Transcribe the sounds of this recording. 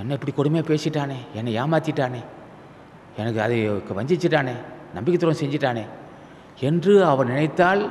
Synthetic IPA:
ɛnːɐɛpːɐɽikɔɽɯmɐjaːpeːsɪʈːaːneːɛnːɐjaːmaːt̪ːɪʈːaːneː | ɛnɐkːɯɐðɯkːɯʋɐɲd͡ʒɪt͡ʃːɪʈːaːneːnɐmbɪkːɐt̪ːɯɾɐ̃msɛɲd͡ʒɪʈːaːneː | ɛndrɯɐʋɐnnɪnɐɪt̪ːaːl

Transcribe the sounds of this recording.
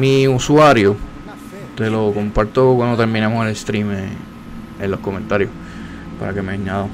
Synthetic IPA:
miuswaɾjo | t̪e̞lo̞ko̞mpaɾt̪okwand̪ot̪e̞ɾmĩnamoselest̪ɾime | elːo̞hko̞mẽnt̪aɾjoh | pa̰ɾa̰ke̞meɲːaðo

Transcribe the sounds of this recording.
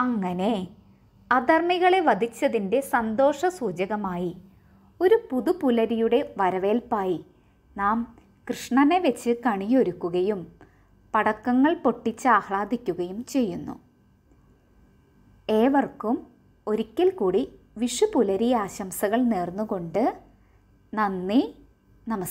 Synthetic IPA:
ɐŋːɐne̞ | ɐd̪ɐrmiɣɐɭe̞ʋɐd̪ʱit͡ɕːɐðinde̞sɐnd̪o̞ːʂɐsuːd͡ʑɐɣɐmaːji | o̞ɾupuðupulɐɾijuɽe̞ʋɐɾɐʋe̞ːlpaːji | naːm | krɨʂɳɐne̞ʋet͡ɕːɨkɐɳijo̞ɾukːuɣɐjum | pɐɽɐkːɐŋːɐɭpo̞ʈːit͡ɕːɨaːhɭaːd̪ʱikʲːuɣɐjumt͡ɕe̞jːunːṵ | e̞ːʋɐrkum | o̞ɾikʲːɐlkuːɽi | ʋiʂupulɐɾijaːɕɐmsɐɣɐɭneːrnːuɣo̞ɳɖɨ | nɐnːi | nɐmɐs

